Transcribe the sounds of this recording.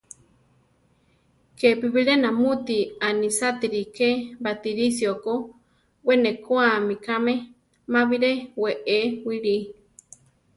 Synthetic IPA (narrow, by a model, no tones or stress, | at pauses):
kepiβiɺenamut̪ianisat̪iɾikebat̪iɾisioko | wenekoamikame | maβiɾeweʔewiɺi